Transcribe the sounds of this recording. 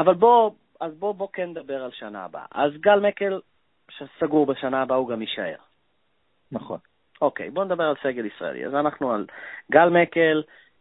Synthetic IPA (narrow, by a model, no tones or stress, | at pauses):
ʔavalbo̞ | azbo̞bo̞kend̪abe̞ʁalʃana̰ːba̰ʔazɡalmeke̞l | ʃesaɡuʁbeʃanaːbauɡamiʃae̞̰ʁ | naχo̞̰n | o̞kḛjbo̞ned̪abe̞ʁalse̞ɡe̞lisʁa̰ḛlḭa̰zanaχnualɡalmekel